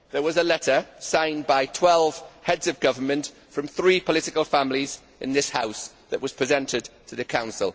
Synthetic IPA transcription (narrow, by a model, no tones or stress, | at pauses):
ðəwɒzəlɛtəsãɪ̃nbaɪtʰw̥ɛlˠv̥hɛdz̥əvɡʌvəmə̃nt | fɹə̃mθɹiːpʰəlɪtɪkəlˠfãmliz | ɪ̰̃nðɪshaʊs | ðəʔwɒz̥pʰɹ̥ɪzɛ̃ntʰɪd̚tʰəðəkʰãʊ̃nsə̰lˠ